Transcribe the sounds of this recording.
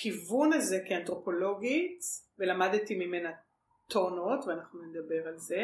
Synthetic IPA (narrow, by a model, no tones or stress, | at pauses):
kivunaze̞keantʁo̞po̞lo̞ɡitvelamadtimime̞na | toʁno̞tveanaχnuned̪ɐbe̞ʁalze̞